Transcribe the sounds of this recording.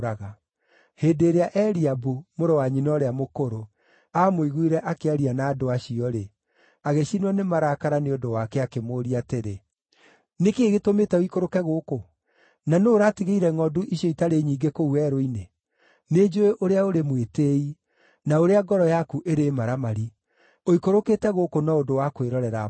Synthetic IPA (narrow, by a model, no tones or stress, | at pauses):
ɾaɣa | heːdeːɾeaʔɛɾiabumoɾɔwaɲinɔɾeamokoɾo | amoiɣuiɾɛʔakeaɾianaːdoaɕiɔɾe | aɣeɕinwɔnemaɾaːkaɾaneodowakɛakemoɾiateɾe | nekeːɣetometɛoikoɾokɛɣoːko | nanoːɾatiɣeiɾɛŋɔduʔiʃɔitaɾeɲiːɡekouɛɾoine | ned͡ʒoeʔoɾeaoɾemweteːi | naoɾeaɡɔɾɔjakuʔeɾemaɾamaɾi | oikoɾoketɛɣokonɔodowakweɾɔɾɛɾa̰